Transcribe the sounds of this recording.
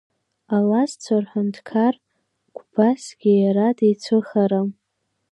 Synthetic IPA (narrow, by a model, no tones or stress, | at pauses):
alast͡sʷʰarħʷʊntʰkʰar | ɡʷbasɡ̥ʲijaɾadejt͡sʷʰɨχaɾa